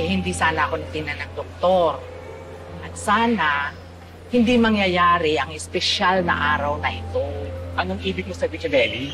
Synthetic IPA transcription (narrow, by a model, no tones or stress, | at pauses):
hɪnd̪isaːnɐʔɐko̞nɐt̪ɪnɐnɐŋd̪ok̚t̪o̞ɾ | ʔɐt̪̚saːnɐ | hɪnd̪imɐŋjɐjaːɾɪʔɐŋɪspɛʃalnɐ̰ʔaːɾɐwnɐʔɪt̪oʔɐnoŋʔiːbɪɡ̚mɐsɐbɪkɐbɛːbɪ